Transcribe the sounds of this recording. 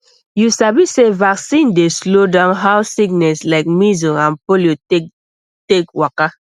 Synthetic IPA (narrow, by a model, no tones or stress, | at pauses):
jusabisevaksĩndeslodãʊ̃nɦawsiɡ̚nɛslaɪk̚mizɔãnpoljo | tekwaka